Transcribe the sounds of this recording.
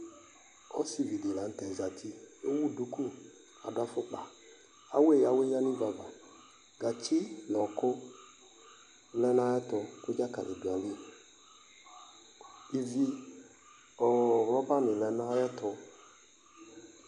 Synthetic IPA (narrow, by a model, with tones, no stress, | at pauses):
ɔ˦si˦˨vi˨de˨la˨n̩˨tɛ˨za˨tʰi˦o˦wu˦˨du˨ku˦ | a̰˨dʊ˨˦a˦fʊ˦k͡pa˨ | a̰˦we˦˨ja˨we˦ja˦ni˦va˨va˨ | ɡa˨t͡ʃɪ˦nɔ˨kʊ˦ | lɛ˦n˦a˦jɛ˦tɔ˨kʊ˦d͡ʒa˦ka̰˨lɛ˨du˨a˨li˦˨ | i˨vi˦ | ɔ˨ɾɔ˦ba˦nɪ˨lɛ˨na˦jɛ˦tɔ˧